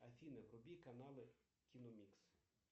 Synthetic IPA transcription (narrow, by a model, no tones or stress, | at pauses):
ɐfʲinɐʋɾɔbʲikɐnalˠɪ | kʲinɔmʲiks